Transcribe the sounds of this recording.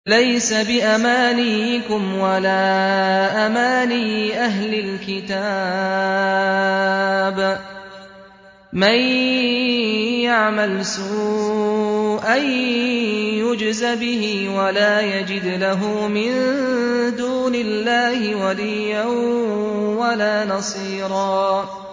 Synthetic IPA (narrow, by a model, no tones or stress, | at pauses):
lajsabɪʔamaːnikʊmwalaːʔamaːniːʔaɦlɪlkɪt̪a | b | maj | jaʕmalsuː | ʔaj | jʊd͡ʒzabɪɦiːwalaːjad͡ʒɪd̪laɦuːmɪn | d̪uːnɪlːaːhɪwalijːan | walaːnɑsˤiːɾˤɑː